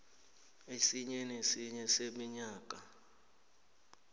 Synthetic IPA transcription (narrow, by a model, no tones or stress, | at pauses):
esiɲɛnesiɲɛsemiɲaːk̬ʼa